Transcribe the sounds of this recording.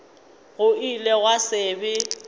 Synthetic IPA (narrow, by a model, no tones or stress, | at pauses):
ɣʊilɛɣwasɪːbɪ